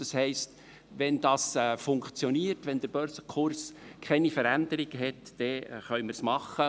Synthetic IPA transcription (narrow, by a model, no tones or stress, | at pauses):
d̥ɑshɛɪst | ʋɛnd̥ɑːsɛfʊŋkt͡sjɔniːrtʋɛnd̪əɾb̥œɾsəkʰʊɾskʰɛnifəɾænd̥̪əɾiɡ̥əɦɛtd̥ɛχœʏmərsmɑχːə